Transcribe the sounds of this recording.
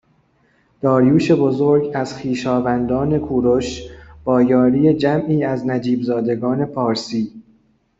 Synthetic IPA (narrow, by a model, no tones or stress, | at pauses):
d̪̥ɒːɾjuːʃe̞bo̞zoɾɟæz̥xiːʃɒːvænd̪ɒːne̞kʰuːɾoʃb̥ɒːjɒːɾiːe̞d͡ʒæmʔiːæznæd͡ʒiːbzɒːd̪e̞ɡɒːne̞pʰɒːɾsiː